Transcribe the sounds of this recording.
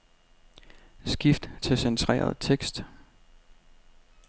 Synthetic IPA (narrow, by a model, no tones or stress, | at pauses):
sɡ̥ifd̥t͡sʰe̝lsent͡sʰʁɛ̰ːɐ̰ð̞̩ˠt͡sʰeɡ̥sd̥